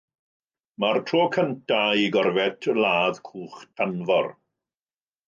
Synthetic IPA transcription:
martʰroːkʰəntʰaiɡɔrvɛtʰlaːðkʰuːχtʰanvɔr

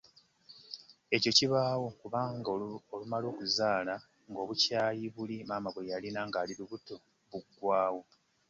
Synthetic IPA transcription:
e̞co̞ciβaːwo̞kuβaːŋɡolumalo̞ːkuzaːla | ŋɡo̞ːβucaːjiβulimaːmaβwe̞jalinaŋɡaːliɾuβuto | βuɡwaːwo̞

